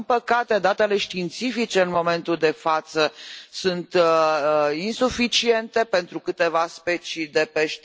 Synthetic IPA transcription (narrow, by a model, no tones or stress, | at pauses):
npəkat̪e̞d̪at̪e̞le̞ʃt̪int̪sifit͡ʃe̞ɨnmo̞me̞nt̪uld̪e̞fat̪səsunt̪ | insufit͡ʃie̞nt̪e̞pe̞nt̪ɾukɨt̪e̞vaspe̞t͡ʃid̪e̞peʃt̪